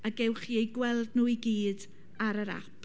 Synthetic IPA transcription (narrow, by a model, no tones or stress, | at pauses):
aɡɛwχiejɡwɛlˠdnuːiɡiːd | aɾəɾa̰p